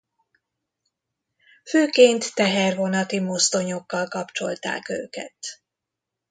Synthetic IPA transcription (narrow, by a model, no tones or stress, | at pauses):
føːkeːnt̪ːɛɦɛrvo̞nɒt̪imo̞st̪o̞ɲo̞kːɒlkɒpt͡ʃo̞̰lt̪a̰ːkø̰ːkɛ̰t̪